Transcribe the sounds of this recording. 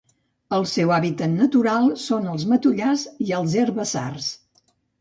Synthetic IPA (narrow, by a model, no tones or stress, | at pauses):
əlˠsɛwaβit̪ət̪nət̪uɾalˠsonəlˠzmət̪uʎaziəlˠzerβəza̰rs